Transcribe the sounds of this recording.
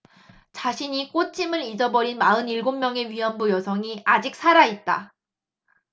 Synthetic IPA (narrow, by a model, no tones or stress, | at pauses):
t͡ɕaɕʰiɲik͈ot͡ɕʰimɯɾid͡ʑʌbʌɾinmaɯniɭɡomːjʌŋe̞ɥiɦʌnbujʌsʰʌŋiad͡ʑik̚s͈ʰaɾait̚t͈a̰